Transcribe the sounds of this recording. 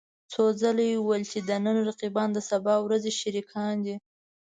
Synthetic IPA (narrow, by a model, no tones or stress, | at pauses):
t͡sod͡zalejewəlt͡ʃed̪ənənɾaqibɑnd̪əsabɑwɾazeʃaɾikʰɑnd̪i